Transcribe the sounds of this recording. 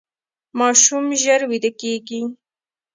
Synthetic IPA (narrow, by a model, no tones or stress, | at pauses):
mɑʃumʒəɾwid̪əkeɡi